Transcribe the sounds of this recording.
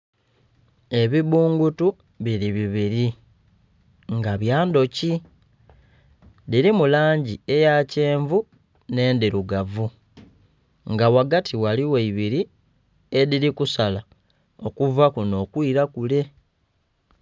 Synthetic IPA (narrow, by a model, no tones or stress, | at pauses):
e̞βiβuːŋɡutu | βiɾiβiβiɾi | ŋɡaβjaːndo̞ci | ðiɾimulaːɲɟie̞jace̞ːɱvu | ne̞ːndiɾuɡavu | ŋɡawaɡatʰiwaliweiβiɾi | eðiɾikusala | o̞kuvakuno̞ːkwiːɾakule̞